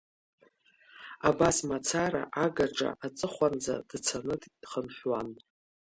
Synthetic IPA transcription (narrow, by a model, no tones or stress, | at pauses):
abasmat͡sʰaɾa̰ʔaɡaʈ͡ʂʼa̰ʔat͡sʼɨχʷand͡za̰d̥t͡sʰanɨddχəmħʷᶣwan